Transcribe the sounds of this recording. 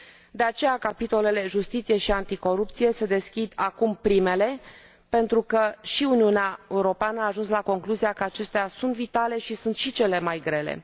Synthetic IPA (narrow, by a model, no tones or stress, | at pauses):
d̪e̞at͡ʃe̞jakapit̪o̞le̞le̞ʒust̪it̪sije̞ʃiant̪iko̞ɾup̚t̪sije̞se̞d̪e̞skʲid̪akumpɾime̞le̞ | pe̞nt̪ɾukəʃiuniuneae̞uɾo̞peanəaːʒunslako̞ŋkluzijakəat͡ʃe̞st̪easunt̪vit̪ale̞ʃisunt̪ʃit͡ʃe̞le̞majɡɾe̞le̞̰